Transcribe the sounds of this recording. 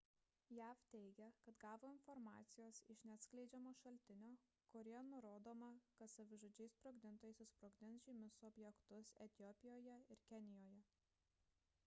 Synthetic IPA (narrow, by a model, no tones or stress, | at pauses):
jæːft̪ʲɛɪɡʲɛkɐt̪ɡɑːʋoːɪnfɔɾmɑ̰ːt̪sʲɪjoːsɪʃnʲæːt̪sʲklʲɛɪd͡ʒʲɛmoːʃɐlʲt̪ʲɪnʲoː | kɔɾʲeɛnʊɾoːd̪oːmɐkɐt̪sɐʋʲɪʒoːd͡ʒʲɛɪspɾoːɡd̪ʲɪnt̪oːjɛsʲɪspɾoːɡd̪ʲɪnsʒʲimʲʊsɔbʲjɛkt̪ʊsɛt̪ʲɪjɔpʲɪjoːjɛɪɾkʲɛnʲɪjoːjɛ